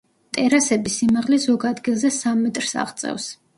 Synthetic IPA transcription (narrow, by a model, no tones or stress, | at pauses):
t̪ʼɛɾasɛbisimaʁlizɔɡad̪ɡilˠzɛsamːɛt̪ʼɾsa̰ʁt̪sʼɛ̰fs